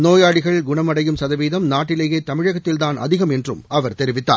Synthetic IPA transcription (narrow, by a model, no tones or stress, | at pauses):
noːjaːɻɪɣɐɭɡʊɳɐmɐɽɐjɯmsɐðɐʋiːðɐmnaːʈːɪleːjeːt̪ːɐmɪɻɐɣɐt̪ːɪld̪aːnʔɐ̰ðɪɣɐmɛndrɯ̰mɐʋɐɾt̪ɛɾɪʋɪt̪ːa̰ːɾ